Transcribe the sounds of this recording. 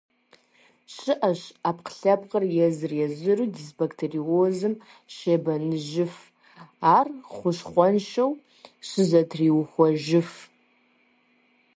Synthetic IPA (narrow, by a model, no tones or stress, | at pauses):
ʃɨʔaʃapʰqʰɬapʰʼqʼərjɛzɨrjaʒʷɨrɨdisbaktʰeriozɨm | ʃebanɨʒɪf | arχʷʊʃχʷanʃow | ʃʷɨzɐtʰriwχʷaʒɪf